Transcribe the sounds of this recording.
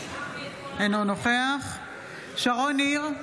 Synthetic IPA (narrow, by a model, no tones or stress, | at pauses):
enonoχeaχ | ʃaʁoniʁ